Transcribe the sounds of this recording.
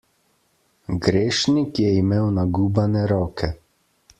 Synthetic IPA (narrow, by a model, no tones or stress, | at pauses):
ɡɾeːʃnikjɛimeːwnaɡuːbanɛɾɔːkʰɛ